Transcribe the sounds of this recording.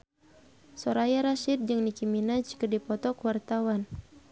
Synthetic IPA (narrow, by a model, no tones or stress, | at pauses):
sɔɾajaɾaʃid̪̚d͡ʒɨŋnikiminad͡ʒkərdipɔt̪ɔkwart̪awan